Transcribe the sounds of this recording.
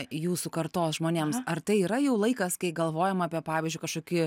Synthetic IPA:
juːsukɐɾt̪oːsʒmoːnʲeːmsɐɾt̪ɐɪiːɾɐjɛʊlˠɐɪkɐskɐɪɡɐlˠʋoːjɛmaːpʲiɛpɑːʋʲɪzʲd͡ʒʲʊɪkɐʃkoːkʲɪ

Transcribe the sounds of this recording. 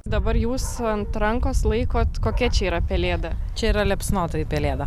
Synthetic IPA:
d̪ɐbɐɾjuːsɐnt̪ɾɐŋkoːslˠɐɪkoːt̪koːkʲɛt͡ʃʲɛiːɾɐpʲɛlʲeːd̪ɐ | t͡ʃʲɛiːɾɐlʲɛpʲsnoːt̪ɐːɪpʲɛlʲeːd̪ɐ

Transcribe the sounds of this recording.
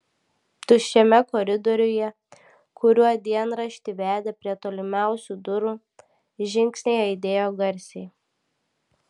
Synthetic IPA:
t̪ʊʃʲɛmʲɛkɔːɾʲɪd̪ɔɾʲʊjɛ | kʊɾʲuɔd̪ʲiɛnɾɐʃʲt̪ʲɪʋʲæːd̪ʲɛpʲɾʲiɛt̪oːlʲɪmʲæˑʊsʲud̪ʊɾuː | ʒʲɪŋʲksʲnʲɛɪɐɪd̪ʲeːjoːɡɐɾʲsʲɛɪ

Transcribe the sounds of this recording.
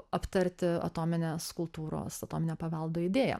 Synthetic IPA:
ɐpt̪ɐɾʲt̪ʲɪɐ̰t̪oːmʲɪnʲeːskʊlˠt̪uːɾo̰ːsɐt̪oːmʲɪnʲeːpɐʋɐlˠd̪oːɪd̪ʲeːjɛ̰

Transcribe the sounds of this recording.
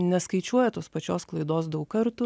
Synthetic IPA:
nʲɛskɐɪt͡ʃʲuɔjɛt̪oːspɐt͡ʃʲoːsklˠɐɪd̪oːsd̪ɐʊkkɐɾt̪u

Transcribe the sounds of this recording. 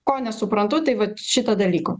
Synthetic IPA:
koːnʲɛsʊpɾɐnt̪ʊt̪ɐɪʋɐtʃʲɪt̪ɐd̪ɐlʲiːko

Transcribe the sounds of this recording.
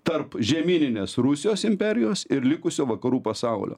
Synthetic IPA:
t̪ɐɾpʒʲɛmʲiːnʲɪnʲeːsɾʊsʲɪjoːsɪmʲpʲɛɾʲɪjoːsɪɾlʲɪkʊsʲoːʋɐkɐɾuːpɐsɐʊlʲo̰ː

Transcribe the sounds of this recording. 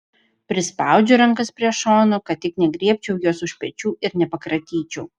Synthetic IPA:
pʲɾʲɪspɑˑʊd͡ʒʲʊɾɐŋkɐspʲɾʲiɛʃoːnoːkɐt̪̚t̪ʲɪknʲɛɡɾʲiɛpʲt͡ʃʲɛʊjuɔsʊʃʲpʲɛt͡ʃʲuːɪɾnʲɛpɐkɾɐt̪ʲiːt͡ʃʲɛʊ

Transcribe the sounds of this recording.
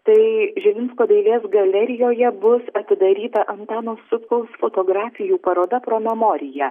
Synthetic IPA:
t̪ɐɪʒʲɛmʲɪnskoːd̪ɐɪlʲeːsɡɐlʲɛɾʲɪjoːjɛbʊsɐt̪ʲɪd̪ɐɾʲiːt̪ɐʔɐnt̪ɑːnoːsʊt̪kɐʊsfot̪oɡɾɑːfʲɪjuːpɐɾoːd̪ɐpɾoːmʲɛmɔːɾʲɪjɛ

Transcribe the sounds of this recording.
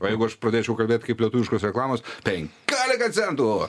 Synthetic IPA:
oːjɛɪɡʊɐʃpɾɐd̪ʲeːt͡ʃʲɛʊkɐlʲbʲeːt̪ʲkɐɪplʲɛt̪uʋɪʃkoːsɾʲɛklˠɑːmoːspʲɛŋʲkkʲæːlʲɪkɐt̪sʲɛnt̪uo

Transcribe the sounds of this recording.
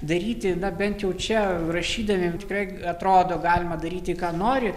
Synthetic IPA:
d̪ɐɾʲiːt̪ʲɪnɐbʲɛnt̪jɛʊt͡ʃʲɛrɐʃʲiːd̪ɐʋʲeːmt̪ʲɪ̥kɾɐɪ | ɐt̪ɾoːd̪oːɡɑːlʲɪmɐd̪ɐɾʲiːt̪ʲɪkɑːnoːɾʲɪ

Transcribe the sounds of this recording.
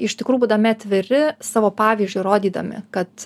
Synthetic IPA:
ɪʃʲt̪ʲɪkɾuːjbuːd̪ɐmʲɪɐt̪ʲʋʲɪɾʲɪsɑːʋoːpɑːʋʲiːzʲd͡ʒʲʊɪɾoːd̪ʲiːd̪ɐ̰mʲɪ̰kɐt̪

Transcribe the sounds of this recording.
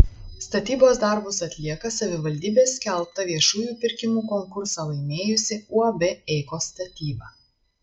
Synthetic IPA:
st̪ɐt̪ʲiːboːsd̪ɐˑɾbʊsɐt̪ʲlʲiɛkɐsɐʋʲɪʋɐlʲd̪ʲiːbʲeːsʲkʲɛlˠp̚t̪ɐʋʲiɛʃuːjuːpʲɪɾʲkʲɪmuːkɔŋkʊɾsɑlˠɐɪmʲeːjʊsʲɪuɐbʲɛɛɪkoːst̪ɐt̪ʲiːbɑ

